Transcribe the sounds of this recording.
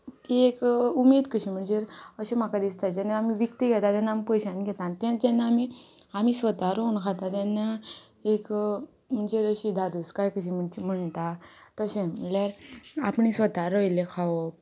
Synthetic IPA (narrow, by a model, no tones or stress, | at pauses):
iekumeːd̪kəɕim̤əɳd͡zeɾəɕem̤akad̪ist̪ad͡ʑanːeamiʋikt̪iɡʱɛt̪at̪janːaːmipəjɕãnɡʱɛt̪ãnt̪jãd͡ʑanːaamiamisʋət̪aɾounkʰat̪at̪janːa | ek | m̤əɳd͡zeɾəɕid̪ʱad̪uskajkəɕ̬im̤əɳd͡ʑem̤əɳt̪at̪əɕẽiljaɾapɳisʋət̪aɾojlekʰaʋo